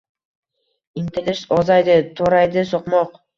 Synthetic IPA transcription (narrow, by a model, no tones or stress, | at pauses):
int̪elʲeʃozɑjd̪ɨt̪ʰoɾɑjd̪ɨsoqmoq